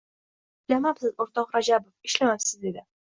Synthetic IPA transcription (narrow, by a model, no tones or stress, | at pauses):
lamapsɪzoɾt̪ɒqɾad͡ʒabofɪ̥ʃlamapsɪzd̪ed̪ɪ